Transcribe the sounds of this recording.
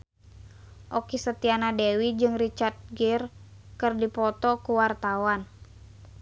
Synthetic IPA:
ʔokisət̪ianadewid͡ʒɨŋrit͡ʃart̪̚ɡɛrkɨrdipɔt̪ɔkuwart̪awan

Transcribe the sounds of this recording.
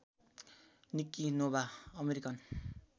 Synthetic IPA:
nikːinobaʌmeɾikʌn

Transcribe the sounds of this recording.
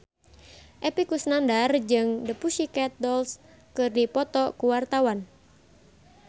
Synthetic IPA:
ʔepikusnandard͡ʒəŋdəpuʃikɛt̪̚dɔls | kɨrdipɔt̪ɔkuwart̪awan

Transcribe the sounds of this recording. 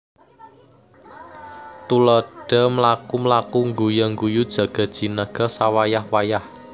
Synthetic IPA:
t̪ulɔɖ̥ɔ̤mlakumlakuŋɡujɔŋɡujud̥ʒ̥ä̤ɡ̥ɔ̤d̥ʒ̥i̤nəɡ̥ɔ̤sawajahwajah

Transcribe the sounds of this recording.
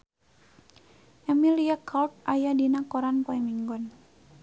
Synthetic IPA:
ɛmiliakʰalt̪̚ʔajadinakɔɾanpɔɛmiŋɡɔn

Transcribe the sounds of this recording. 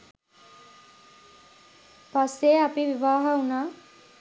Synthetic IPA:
paseːɐpiʋiʋaːɦaunaː

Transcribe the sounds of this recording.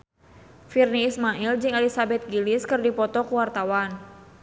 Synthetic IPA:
firniːsmaʔild͡ʒɨŋɛlisabɛt̪̚ɡilɪskɨrdipɔt̪ɔkuwart̪awan

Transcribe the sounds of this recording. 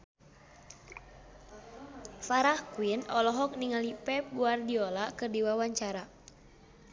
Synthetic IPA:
faɾahkuinɔlɔɦɔk̚niŋalipɛp̚ɡuardiɔlakɨrdiwawaɲt͡ʃaɾa

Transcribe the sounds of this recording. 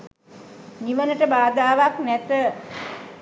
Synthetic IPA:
niʋənəʈəbaːd̪aːʋaknɛt̪ə

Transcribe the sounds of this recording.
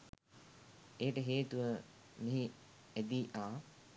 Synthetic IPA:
eːʈəɦeːt̪uʋə | miɦi | æd̪iːʔaː

